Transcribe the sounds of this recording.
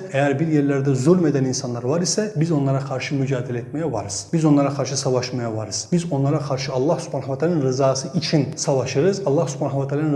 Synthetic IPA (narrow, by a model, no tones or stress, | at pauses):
ɛjæɾbiɾjeɾlæɾd̪ɛzulʲme̞d̪æninsanlˠaɾvaɾisɛbizo̞nlˠɑɾakʰaɾʃɯmyd͡ʒaːd̪ilʲɛet̪mɛjɛva̰ɾɯz̥bizo̞nlˠaɾakʰaɾʃɯsavaʃmajavaɾɯz̥bizo̞nlˠaɾakʰaɾʃɯɑlˠːɑhsy̥pʰanavat̪ʰalaninɾɯzaːsɯit͡ʃʰinsavaʃɯɾɯzɑlˠːɑhsy̥pʰanaavat̪ʰalan